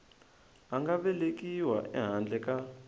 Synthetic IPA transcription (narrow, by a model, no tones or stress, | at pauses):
aŋɡaɓɛlek̬ʼiwaʔɛ̰ɦand͡ɮɛkʼa